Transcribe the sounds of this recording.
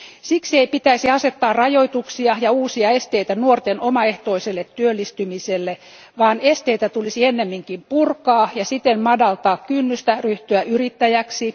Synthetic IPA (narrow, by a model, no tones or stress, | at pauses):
siksieipit̪æisiɑset̪ːɑːrrɑjoit̪uksiɑjɑuːsiɑest̪eit̪ænuort̪enomɑeht̪oiselːet̪tyølːist̪ymiselːe | ʋɑːnest̪eit̪æt̪ulisienːemːiŋkimpurkɑːjɑsit̪emmɑdɑlt̪ɑːkkynːyst̪æryht̪yæʔyrit̪ːæjæksi